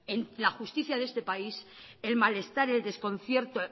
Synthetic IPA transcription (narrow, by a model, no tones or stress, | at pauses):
enlaxust̪iθjaðe̞st̪e̞paise̞lmale̞st̪aɾe̞ld̪e̞sko̞n̟θje̞ɾt̪o